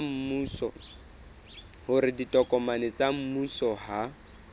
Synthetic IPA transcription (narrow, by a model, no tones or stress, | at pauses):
m̩muːsɔ̰ | hʊɾɪditʼɔkʼɔmanɪt͡sam̩musɔha